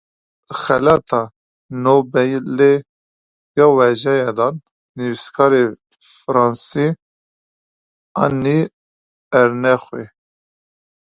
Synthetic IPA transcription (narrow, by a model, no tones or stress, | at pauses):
xɛlɑt̪ʰɑ | nobɛjle | jɑːwɛʒɛjɛd̪ɑnː | iviskʰɑːɾe | fɨɾɑnsi | ɑ̰nːi | ɛɾnɛxwe